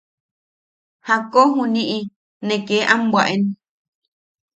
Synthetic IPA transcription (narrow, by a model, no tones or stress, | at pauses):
hakoɦũnĩʔĩ | nẽkeʔãmbwaʔen